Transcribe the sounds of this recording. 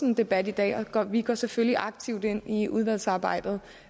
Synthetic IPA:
nd̥e̝b̥æd̥id̥ɛ̰ːɒɡ̥ɒʋiɡ̥ɒ̰sefølliʔɑ̈ɡ̥̚t͡sʰiʊd̥e̝n̰iuð̞ˠʋæl̰sɑ̈ːb̥ɑ̈ɪ̰d̥ð̩ˠ

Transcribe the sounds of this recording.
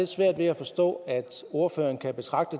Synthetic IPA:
e̝̥sʋæɐ̰d̥ʋe̝æfɒ̽sd̥ɔ̰̽ːæd̥o̝ɐfø̰ːɐn̩kʰæb̥e̝t͡sʰʁɑ̈ɡ̥̚d̥ə

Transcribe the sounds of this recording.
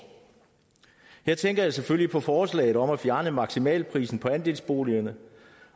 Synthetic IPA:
heɐ̰t͡sʰeŋɡ̥ɐjɑ̈seføl̰lipʰɒ̽fɒːslɛ̰ːɪð̞̩ˠɒ̽mæfjæɐnəmɑ̈ɡ̥simɛ̰ːlpʰʁḭːsn̩pʰɒ̽ænd̥e̝̰lsb̥o̝̰ːliɐnə

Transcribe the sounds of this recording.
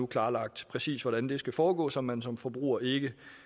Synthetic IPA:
ukʰlɑ̈ːlɑ̈ɡ̥̚d̥pʰʁɛsḭːsʋɒɾ̥ænd̥e̝sɡ̥æfɒːɡ̥ɔ̰ːsɒ̽mːænsɒ̽mfɒ̽b̥ʁṵːɐe̝ɡ̥ə

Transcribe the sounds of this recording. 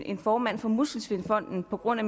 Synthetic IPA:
e̝nfɒːmæn̰fɒ̽musl̩sʋe̝nfɒ̽n̰d̥n̩pʰɒ̽ɡ̥ʁɔ̽n̰æm

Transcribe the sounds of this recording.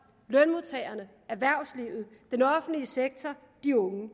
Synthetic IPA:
lœnmoðˠt͡sʰɛːɪɐnə | æɐʋæɐ̰sliʊð̞̩ˠd̥enɒ̽fn̩dliəseɡ̥̚t͡sʰɒ | d̥iɔ̽ŋə

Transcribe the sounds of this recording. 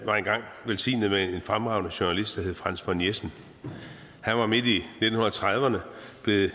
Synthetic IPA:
ʋɑ̈e̝nɡ̥ɑ̈ŋ̰ʋelsḭːnð̩ˠmee̝nfʁamʁɑ̈ʊnəɕonælisd̥æɦhe̝ð̩ˠfʁan̰sfɒ̽njesn̩ | hænʋɑ̈me̝d̥ine̝̥n̩hunɐt͡sʰʁað̞ˠʋɐnəb̥le̝ð̩ˠ

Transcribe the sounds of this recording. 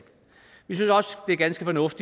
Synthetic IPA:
ʋisynsɒ̽sd̥e̝æɡ̥ænsɡ̥əfɒnɔ̽fd̥i

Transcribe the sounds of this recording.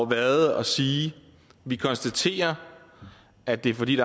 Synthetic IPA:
ʋæðˠɒ̽siː | ʋikʰɒ̽nsd̥æt͡sʰe̝̰ːɐ | æd̥e̝ɐfɒ̽d̥ḭːd̥ɑ̈

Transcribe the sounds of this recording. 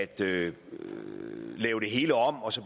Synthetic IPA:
æd̥ø | lɛːʊɾ̥e̝ɦe̝ːləɒ̽m̰ɒ̽sɒ̽b̥

